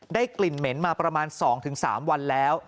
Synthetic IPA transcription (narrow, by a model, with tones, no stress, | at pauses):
daː˥˩jkli˨˩nme˩˦nmaː˧pɾa˧maː˧nsɔː˩˦ŋt̪ʰɯ˩˦ŋsa̰ː˩˦mwa˧nlɛː˦˥w